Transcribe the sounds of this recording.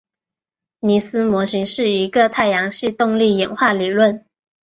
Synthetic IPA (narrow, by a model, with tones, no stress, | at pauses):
ni˧˥sɹ̩˥mwɔ˧˥ɕi˧˥ŋʂɻ̩˥˩i˧˥ɡə˧t̪ʰa˥˩ɪjɑ˧˥ŋɕi˥˧t̪ʊ˥˧ŋli˥˩jɛ˨˧˥nxwa˥˩li˨˩lwə˥˩n